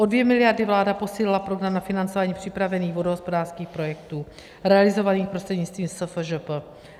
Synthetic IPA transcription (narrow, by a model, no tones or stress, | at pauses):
ʔodvjɛmɪlɪjaɾdɪvlaːdapo̞siːlɪlapɾo̞ɡɾamnafɪnant͡sovaːɲiːpr̝̥ɪpɾavɛniːɣvodoɦospo̞daːr̥skiːxpɾo̞jɛkt̪uː | ɾɛalɪzo̞vaniːxpɾost̪r̥ɛdɲɪt͡st̪viːmsəfʒəpə